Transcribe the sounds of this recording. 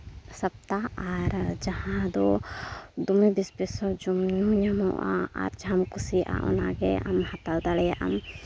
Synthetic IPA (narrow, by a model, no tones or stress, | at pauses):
sɐp̚t̪aaɾd͡ʒahãd̪ɔ | d̪umibispesɔd͡ʒumɲuɲamɔ̰̃ʔa̰a̰ɾd͡ʒʱamkusiʔa̰ʔɔ̰naɡɛa̰mhat̪ald̪alɛʔa̰m